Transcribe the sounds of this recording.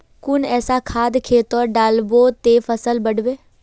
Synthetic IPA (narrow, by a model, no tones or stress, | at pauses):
kʊnɛːsakʰaːd̪kʰeːt̪ɔːɾɖaːlbot̪eːfʰəsəlbəɽʋeː